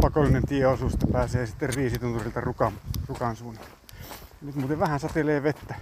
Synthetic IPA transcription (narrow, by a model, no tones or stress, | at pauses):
pɑkolːˑinent̪ieosust̪ɑpæːseːsit̪ːerriːsit̪unt̪urilt̪ɑrukɑmrukɑnsuːne | ɑnyt̪muːt̪eʋʋæhænsɑt̪eleːʋet̪ːæ